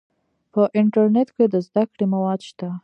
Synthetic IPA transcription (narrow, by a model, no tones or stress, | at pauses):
pəʔɪɳʈaɾnet̪ked̪əzd̪akɽemawɑd̪ʃt̪a